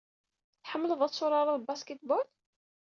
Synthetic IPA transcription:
θħəmːələðˤæsʊɾˤɑɾˤɑðbaskət̪bɔl

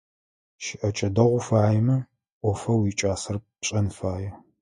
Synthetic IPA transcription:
ʃɪʔɐt͡ʃʼɐdɐʁʷʊfaːjɛmɐ | ʔʷɔfɐwiːt͡ʃʼaːsɐr | ɕʼɐnfaːjɛ

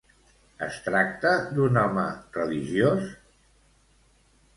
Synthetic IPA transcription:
ə̰st̪ɾak̚t̪əd̪unɔmə̰rəliʒjos

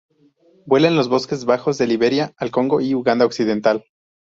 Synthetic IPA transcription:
bwe̞lenlo̞zβo̞ske̞zβaxozðe̞liβe̞ɾjaalko̞ŋɡo̞iuɣand̪aoksið̞e̞nt̪al

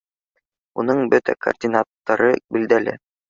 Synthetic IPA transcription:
unɤɴbɵt̪æ̰kɐ̰rdʲinat̪ːɑɾɤbild̪ælɘ̰

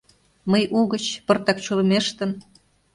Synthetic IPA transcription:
məjʔuɣət͡ɕpɤ̆rt̪ɑk̚t͡ɕulə̆meʃt̪ə̆n

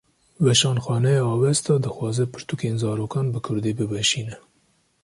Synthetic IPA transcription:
wɛʃɑːnxɑːnɛjɑːwɛst̪ɑːd̪ɨxwɑːzɛpʰɨɾt̪ukenzɑːɾoːkɑːnbɨkʰʊɾd̪eːbɨbɛʃiːnɛ

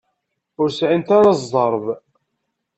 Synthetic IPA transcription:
ʊɾsʕint̪aɾɑzdˤəɾˤv

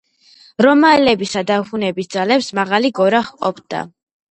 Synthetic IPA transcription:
ɾɔmaɛlɛbisad̪aχunɛbisd̪zalɛpsmaʁaliɡɔɾaχqʼɔpʰd̪a̰

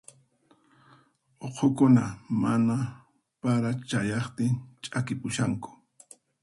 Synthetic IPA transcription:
oqʰokʊnamana | paɾat͡ʃajɑχt̪ɪnt͡ʃʼakɪpʊʃaŋkʊ̥

